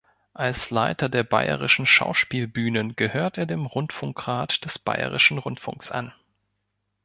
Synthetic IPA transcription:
ʔalslaɪtɐdeːɐba̰ɪə̰ʁɪʃn̩ʃa̰ʊʃpiːlbyːnənɡ̥əhøːɐtʔeːɐdeːmʁʊntfʊŋkʁ̥aːtd̥ɛsb̥a̰ɪə̰ʁɪ̰ʃn̩ʁʊntfʊ̰ŋksʔa̰n

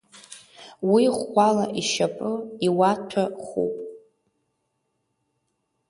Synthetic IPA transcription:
wiχʷalaʔiʃapʼɨiwatʰaχṵpʼ

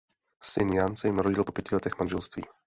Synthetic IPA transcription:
sɪnjansɛjɪmɾoɟɪlpo̞pjɛcɪlɛt̪ɛxmanʒɛlst̪vḭː

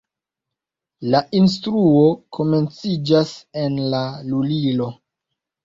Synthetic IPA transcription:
laʔins̬tɾuo̞kʰo̞me̞nt͡sid͡ʒase̞nlalulilo̞

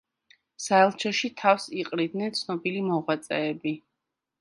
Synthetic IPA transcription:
saɛlˠt͡ʃʰɔʃit̪ʰafsiqʼɾid̪nɛnt̪sʰnɔbilimɔʁwat̪sʼɛːbi

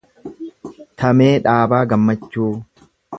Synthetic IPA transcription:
t̪ʰɐmeːᶑaːbaːɡɐmːɐt͡ʃːuː

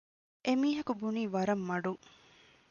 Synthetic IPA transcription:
ʔemiːɦɐkubuniːʋɐɾɐmːɐɖuŋ

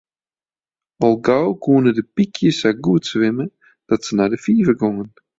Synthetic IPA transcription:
ɔlˠɡawkuənədəpikʰjəsaɡuətsʋɪmə | d̥ɔtsənadəfiːvəɡɔŋən

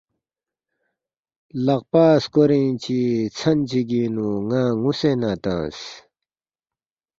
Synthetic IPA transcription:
laʔpaskoɾint͡ɕit͡sʰant͡ɕiɡinuŋaŋusenat̪ã̰s

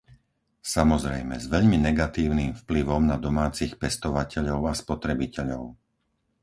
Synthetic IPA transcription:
samɔzɾɛjmɛ̰zʋɛʎminɛɡat̪iːʊniːmfpliʋɔmnad̪ɔmaːt͡sixpɛst̪ɔʋacɛʎɔʊaspɔt̪ɾɛbicɛʎɔʊ

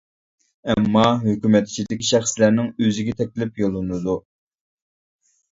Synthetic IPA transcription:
ɛmːɑɦøkʲymɛt̪ʰːi̥t͡ʃʰid̪ɪkʲiʃæχslæɾnɪŋøzɪɡʲɛt̪ʰɛkʲlɪpjolˠɨnɨd̪u

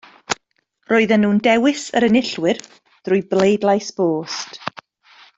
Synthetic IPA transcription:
rʔoːɨðənːuːndɛwɪsəɾənɪɬwɨr | ð̥rʊjblejdlˠajsb̥oːst

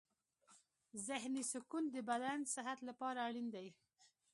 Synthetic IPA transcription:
zɪɦnisʊkund̪əbad̪ansɪɦat̪lapɑɾaːɽind̪aj

